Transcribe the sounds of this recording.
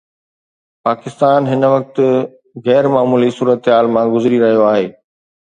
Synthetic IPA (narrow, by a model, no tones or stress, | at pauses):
paːkɪst̪aːnɦɪnʋɐk̚t̪̆ | ɣɛːɾmaːmuːlisuːɾət̪ɦaːlmãɡʊzɾiɾɐɦijoaːɦeː